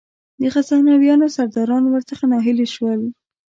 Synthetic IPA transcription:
d̪əxasahnɑwjɑnosaɾd̪ɑɾɑnowəɾt͡səxanɑɦɪleʃwəl

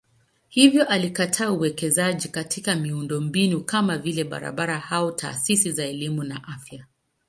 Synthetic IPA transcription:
hivjɔʔalikatʰaːuwɛkɛzaʄikatʰikamiundɔmbinukamavilɛɓa̰ɾa̰ɓaɾahaɔtʰa̰ːsisizaɛlimunaʔafja

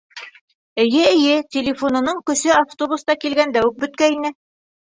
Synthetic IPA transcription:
ɘ̆jɘɘ̆jɘtʲɪlʲɪfonɤ̆nɤɴkɵ̆sɵaft̪obust̪ɑkilɡænd̪æwɵk̚bɵ̆t̪̚kæinɘ

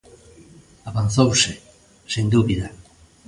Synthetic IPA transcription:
aβanθowse | send̪uβiða

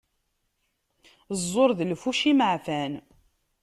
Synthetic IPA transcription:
zˤːoɾˤðlfuʃiməʕfæn

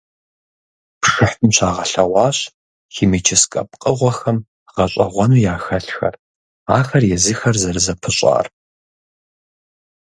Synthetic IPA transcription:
pʂɨħtʼɨmɕʰaːʁɐɬɐʁʷɑːɕ | xiːmit͡ʃʰɪskʼɐ̰p̚qʼəʁʷɔxɐm | ʁɐɕʼɐʁʷɔnuːjaːxɐɬxɐ̰r | a̰ːxɐrjɛziːxɐrzɐrɨzɐpʰɨɕʼa̰ːr

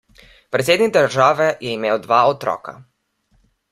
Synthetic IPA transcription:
pɾet̪sjeːd̪niɡ̚d̪əɾʒaːʋɛjɛimeːwd̪ʋaːɔt̪ɾɔ̰ːka̰

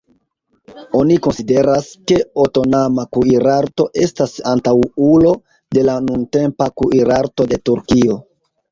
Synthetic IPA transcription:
o̞niko̞nside̞ɾaske̞oto̞namakuiɾaɾto̞ʔe̞stasantawulo̞ | de̞lanunte̞mpakuʔiɾaɾto̞de̞tuɾkio̞

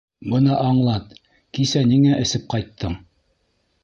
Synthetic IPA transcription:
bɤ̆nɑʔɑɴlˠɑt̪ | kisæniŋæʔɘ̆sɘp̚qɑjt̪ʰːɤɴ

